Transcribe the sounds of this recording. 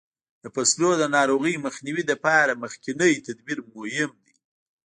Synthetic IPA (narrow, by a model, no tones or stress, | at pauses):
d̪əpaslod̪ənɑɾoɣəjməxniwid̪əpɑɾaməxkɪnəjt̪ad̪biɾmohɪmd̪i